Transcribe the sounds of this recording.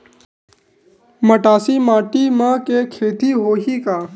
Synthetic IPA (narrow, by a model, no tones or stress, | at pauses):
məʈaːsimaːʈimãːkekʰeːt̪iɦoːɦiːkaː